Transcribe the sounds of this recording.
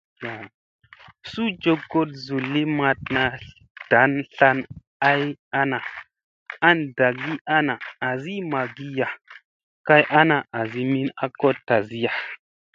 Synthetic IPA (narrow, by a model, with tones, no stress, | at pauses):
ja˨ | su˦d͡ʒo˦kɡo˦t̚zu˨lːi˦ma˧t̚na˧ | d̥a˨˦nɬa˧n | a˦ja˦na˨ | a˦nda˨ɡi˦ʔa˦naː˨zi˦ma˨ɡi˦ja˨ | ka˦jʔa˦na˨ʔa˨zi˦mi˦na˦ko˦ta˨zi˦ja˨